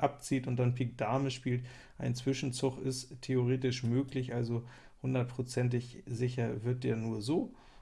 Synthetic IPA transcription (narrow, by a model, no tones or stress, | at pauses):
ʔap̚t͡siːtʊnt̚d̥anpʰɪk̚d̥aɐməʃpiːlt | ʔaɪnt͡sv̥ɪʃn̩t͡sʊχɪsttʰeoʁ̞eːtɪʃmøːklɪçʔalzo | hʊndɐt̚pʁ̥ot͡sɛnt̬ɪçzɪçɐvɪɐt̚d̥eːɐnuːɐzoː